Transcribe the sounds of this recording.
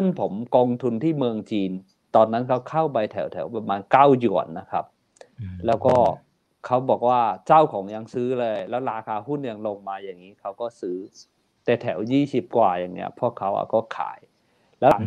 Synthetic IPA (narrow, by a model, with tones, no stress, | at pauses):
sʰɯ˥˩npʰo˩˦mkɔː˧ŋt̪ʰu˧nt̪ʰiː˥˩mɯ˧əŋt͡ɕiː˧n | t̪ɔː˧nːa˦˥nkʰa˦˥wkʰa˥˩wpa˧jt̪ʰɛ˩˦wt̪ʰɛ˩˦wpa˧maː˧nkaː˥˩wju˨˩ənːa˦˥kʰa˦˥p̚ | lɛː˦˥wkɔː˥˩ | kʰa˦˥wbɔː˨˩k̚waː˥˩t͡ɕa˥˩wkʰɔː˩˦ŋja˧ŋsɯː˦˥lɤː˧jlɛː˦˥wɾaː˧kʰaː˧hu˥˩nja˧ŋlo˧ŋmaː˧jaː˨˩ŋːiː˦˥kʰa˦˥wkɔː˥˩sɯː˦˥ | t̪ɛː˨˩t̪ʰɛ˩˦wjiː˥˩si˨˩p̚kwaː˨˩jaː˨˩ŋni˦˥ɐpʰɔ˧˥˩kʰa˦˥wʔa̰˨˩kɔː˥˩kʰa̰ː˩˦j | lɛː˦˥˧